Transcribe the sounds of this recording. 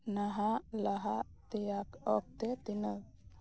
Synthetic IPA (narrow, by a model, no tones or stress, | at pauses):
naɦalaɦat̪ejakɔk̚t̪et̪inə